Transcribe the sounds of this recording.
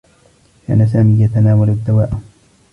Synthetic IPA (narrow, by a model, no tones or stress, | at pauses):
kʰa̰ːnas̬aːmiːjat̪anaːwalad̪ːawaːʔ